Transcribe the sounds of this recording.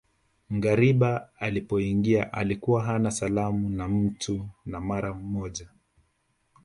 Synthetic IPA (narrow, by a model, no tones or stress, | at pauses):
ŋ̩ɡaɾiɓaalipɔiŋɡiaʔa̰likuwaɦanasalamunam̩tʰunamaɾammɔʄa